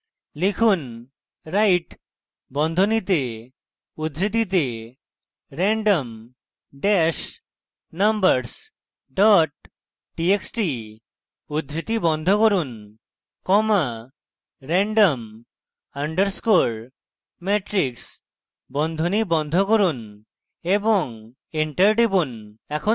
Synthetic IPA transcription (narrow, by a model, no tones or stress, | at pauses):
likʰun | ɾajʈ | bɔnd̪ʱɔnit̪e | ud̪ʱɾit̪̬it̪̬e | ɾɛɳɖɔm | ɖɛʃ | nambəɾs | ɖɔʈ̚ | ʈieksʈi | ud̪ɾit̪ibɔnd̪ʱɔkoɾun | kɔma | ɾɛɳɖɔm | aɳɖəɾskoɭ | meʈɾiks | bɔnd̪ʱonibɔnd̪ʱɔkoɾun | ebɔŋ | iɳʈəɾɖibunɛkʰo